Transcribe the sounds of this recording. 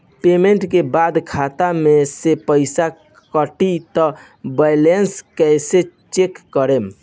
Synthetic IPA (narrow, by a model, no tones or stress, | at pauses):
pemeɳʈkebad̪kʰat̪amesepəɪsa | kəʈit̪ɔ | bɛjlenskɛset͡ʃekːəɾem